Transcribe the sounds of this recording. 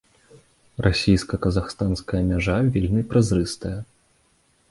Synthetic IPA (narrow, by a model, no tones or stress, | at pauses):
rʔasʲijskɐkɐzaxst̪anskɐjɐmʲaʐavʲilʲnɨpɾazɾɨst̪ɐjɐ